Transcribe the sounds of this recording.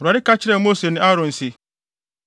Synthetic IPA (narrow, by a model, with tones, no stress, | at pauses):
ɾa˨ɪ˦kʰa˦t͡ɕʰɪ˦ɾɛ˦˨mo˦se˨nɪ̃˦a˦ɾɔ̃˨n̩˨sɪ˦